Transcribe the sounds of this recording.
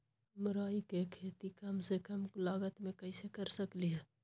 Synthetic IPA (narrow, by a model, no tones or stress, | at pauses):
məɾaːikekʰeːt̪ikɐmsekɐmklaːɡət̪mẽkɐisekəɾsəkliɦɛː